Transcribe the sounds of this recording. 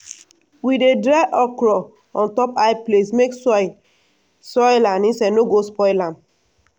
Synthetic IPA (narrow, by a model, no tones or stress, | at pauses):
widedɾaʔɔkɾɔ | ɔ̃ntɔpajplesmeksɔ | sɔjlanĩsɛ̃noɡospɔɪlam